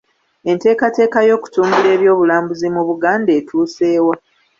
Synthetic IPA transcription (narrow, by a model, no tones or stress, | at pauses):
e̞nte̞ːkate̞ːkajo̞ːku̥tuːmbule̞ːβjo̞ːβulaːmbuzimuβuɡaːnde̞ːtʰuːse̞ːwa